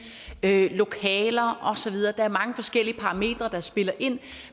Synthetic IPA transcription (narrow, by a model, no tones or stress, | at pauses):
ølo̝kʰɛːlɐʔɒ̽sɒ̽ʋið̞ˠɐːd̥ɑ̈æɐmɑ̈ŋəfɒ̽sɡ̥el̰iəpʰɑ̈ʁɑ̈me̝̰ːd̥ʁɐd̥ɑ̈sb̥e̝lɐʔe̝n̰